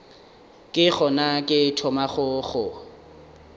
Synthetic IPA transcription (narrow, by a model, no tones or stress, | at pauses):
kʼɪχɔnakʼɪtʰɔmaχʊχʊ